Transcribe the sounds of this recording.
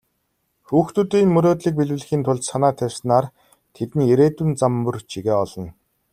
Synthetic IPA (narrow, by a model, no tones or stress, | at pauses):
xuːxt̪ɵ̆t̪iːnmɵɾoːt̪ɮiːk̚piɮwɘ̆ɮ̆xiːnt̪ʰʊɮt͡ɕsanaːt̪ʰæwsnaːr | t̪ʰet̪ɘ̆njeɾeːt̪ŭnt͡samːɵ̆rt͡ɕʰiɣeːɔɮɞ̆n